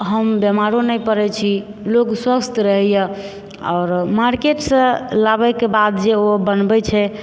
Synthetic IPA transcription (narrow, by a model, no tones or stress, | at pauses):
ɦəmbjəmaɾonəjpəɾɛt͡ʃʰi | lokswəst̪ʰɾəɦɛjə | ɔ̰ʊɾmaɾkeʈsə̃labɛkebad̪d͡ʒeobənbɛt͡ʃʰɛ